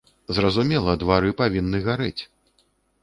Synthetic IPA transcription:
zrɐzumʲɛlˠɐd̪vaɾɨpavʲinːɨɣaɾɨt͡sʲ

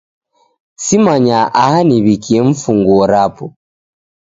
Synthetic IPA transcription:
simaɲaʔahaniβikiɛɱ̩fuŋɡuɔɾapɔ

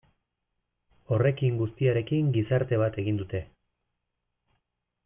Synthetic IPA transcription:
o̞re̞kiŋɡust̪iaɾe̞kiŋɡisaɾt̪e̞β̞at̪e̞ɣind̪ut̪e̞

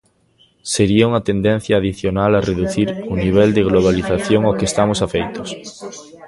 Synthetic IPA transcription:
seɾiauŋat̪end̪en̟θjaːðiθjonalareðuθiɾuniβ̞ɛld̪eɣ̞loβ̞aliθaθjoŋokest̪amosafejt̪os

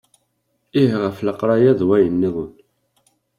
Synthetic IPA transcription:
iɦʁəfləqːɾˤɑjæðwæjənːiðˤən

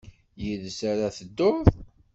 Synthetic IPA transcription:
jiðsaɾaθəd̪ːʊð

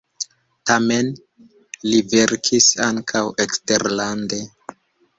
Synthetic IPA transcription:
tame̞n | live̞ɾkʰisaŋkʰaweksteɾlande̞

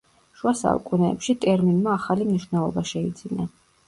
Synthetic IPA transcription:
ʃuasa̰ṵkʼunɛːpʃit̪ʼɛɾminmaːχalimniʃvnɛlˠɔbaʃɛid̪zina

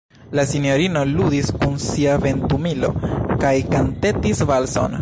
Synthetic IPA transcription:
lasinjo̞ɾino̞ludiskunsiave̞ntumilo̞̰kajkante̞tisvalso̞̰n

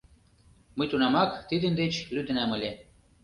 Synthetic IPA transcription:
məjt̪unɑmɑkt̪id̪ə̆nd̪et͡ɕlyd̪ə̆næmə̆lʲe

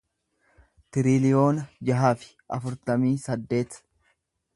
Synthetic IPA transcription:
t̪ɪɾɪlɪjo̞ːnɐd͡ʒɐɦaːfɪ̥ʔɐfʊɾt̪ɐmiːsɐd̪ːe̞ːt̪

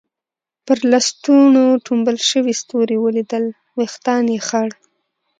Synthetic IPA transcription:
pəɾlɑst̪unoʈʰumbəlʃəwist̪oɾewəlid̪əl | wext̪ɑnjexaɽ

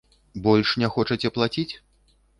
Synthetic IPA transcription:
bɔlʲʂnʲɛxɔt͡ʂɐt͡sʲɛplˠat͡sʲit͡sʲ

